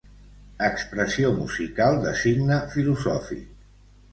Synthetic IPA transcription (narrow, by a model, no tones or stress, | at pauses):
əkspɾəsiomṵzikalˠd̪əsiɡnəfiluzɔfḭk